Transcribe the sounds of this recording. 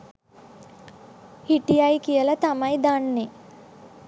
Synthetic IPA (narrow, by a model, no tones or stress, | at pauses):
hiʈijajkijəlat̪amajd̪anːe